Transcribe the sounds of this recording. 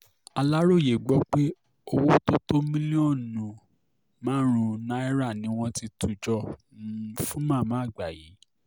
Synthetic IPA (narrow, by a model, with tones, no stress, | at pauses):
a˧la˦ɾo˦˨je˨ɡ͡bɔ˦k͡pe˦ | o˧wo˦to˦to˦mĩ˦li˦ɔ̃˦˨nũ˨ | mãː˦ɾ̃ũ˨˧nã˦ɛ˦ɾa˦˨nĩ˨˦w̃ɔ̃˦ti˧tʰu˨d͡ʒɔ˦˨ | ũ˦fũ˦mã˦˨mãː˨˦˨ɡ͡ba˨jḭ˨˦